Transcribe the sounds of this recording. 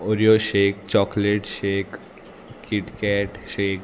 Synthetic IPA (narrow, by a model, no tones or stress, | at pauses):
oɾioʃekt͡ɕɔkleʈʃekʰ | kiʈkɛʈʃek